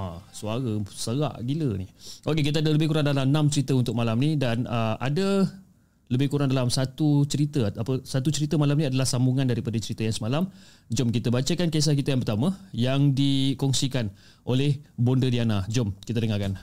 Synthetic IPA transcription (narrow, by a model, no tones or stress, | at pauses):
asuaɾasəɾa̰ʔɡiləniʔokekit̪̬əadələbɪkuɾaŋdalamnãmt͡ʃəɾit̪əunt̪ʊk̚malamnidanəʔa̰də | ləbɪhkuɾaŋdalamsat̪ut͡ʃəɾit̪əapəsat̪ut͡ʃəɾit̪əmalamnĩadalahsambuŋandaɾipadət͡ʃəɾit̪əjaŋsəmalam | d͡ʒɔmkit̪əbat͡ʃakankes̬ak̬it̪ajaŋpərt̪aməjaŋdikɔŋsikan | ʔolɛhbɔndədianad͡ʒɔmkit̪ədəŋakan